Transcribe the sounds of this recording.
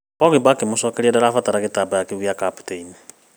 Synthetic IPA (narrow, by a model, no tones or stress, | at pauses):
pɔɣebakemosɔːkeɾiɛdaɾafataɾaɣetabajakeɣjakapu̥teini